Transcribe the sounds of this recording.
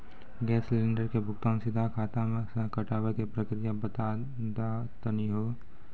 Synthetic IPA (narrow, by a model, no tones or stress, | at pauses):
ɡɛːslẽːɳɖəɾkebʱʊkt̪ansɪd̪ʱakʰaːt̪amẽsə̃kəʈaːwəkepɾəkɾɪjabət̪a | d̪a | t̪əniɦoː